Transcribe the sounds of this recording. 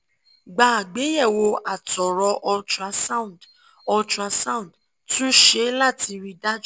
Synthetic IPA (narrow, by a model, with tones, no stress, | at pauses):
ɡ͡ba˨a˨ɡ͡be˨˦jɛ˦˨wo˧a˨tɔ˨ɾɔ˨˧ʔɔ˧d͡ʒa˧sa˦ũ˨d | ɔ˧t͡ʃa˧sa˦ũ˦˨d | tũ˦ʃe˦la˦˨ti˧ɾi˧da˦d͡ʒ